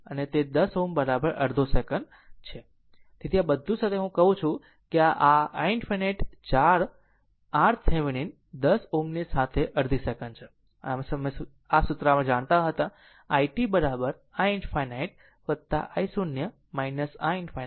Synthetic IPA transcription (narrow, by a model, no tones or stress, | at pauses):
ənet̪ed̪əsombəɾabəɾəɾd̪ʱosekəɳ | t͡ʃʰe | t̪it̪ʰiabəd̪ʱːũsat̪ʰeɦũkəɦũt͡ʃʰũ | keaʔaaiɳɖfaneʈt͡ʃaɾ | aɾsʰeʋɽ̃in | d̪əsomnisat̪ʰeʔəɾd̪ʱisekənt͡ʃʰe | amesəm | asut̪ɾamãd͡ʒaɽ̃t̪aɦət̪ã | aiʈibəɾabəɾ | ainɖfʰajnaiʈ̚ | ʋəd̪t̪a̰ʔajsunjə | majnəsainɖfʰa